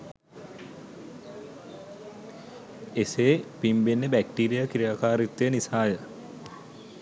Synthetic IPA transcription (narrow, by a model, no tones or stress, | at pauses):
eseːpimbenːebæk̚ʈiːɾijakiɾijaːkaːɾit̪ːejənisaːjə